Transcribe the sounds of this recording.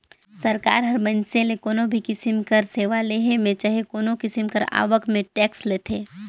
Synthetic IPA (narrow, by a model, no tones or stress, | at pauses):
sɐɾka̰ːɾɦɐɾbənsẽlekoːnõbʱikɪsɪmkəɾseːʋaleːɦemẽt͡ʃaɦekoːnõkɪsɪmkəɾa̰ːʋəkmẽʈɛːksleːt̪ʰeː